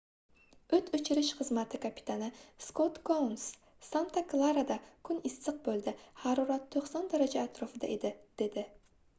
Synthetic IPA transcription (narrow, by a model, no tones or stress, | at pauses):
ɵt̪ʰɵt͡ʃʰɪɾɪʃχɨzmat̪ʰɪkʰapʰi̥t̪ʰanɪskot̪kowns | sant̪ʰaklˠaɾad̪akʰʊnɪsːɨq̚bɵlˠd̪ɪhɑɾuɾat̪ʰːoχsɒnd̪aɾad͡ʒaːt̪ɾofɪd̪a̰ʔed̪ɪd̪̥e̞d̪ɪ